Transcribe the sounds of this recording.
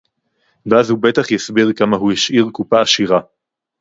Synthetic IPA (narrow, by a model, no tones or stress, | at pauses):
veazhube̞t̪aχjasbiʁkamaɦujaʃʔiʁkupaːʃiʁa